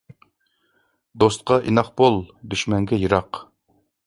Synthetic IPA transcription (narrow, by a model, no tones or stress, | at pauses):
d̪ost̪̚qɑʔinɑχbolˠd̪yʃmɛŋɡʲɛjɨɾɑq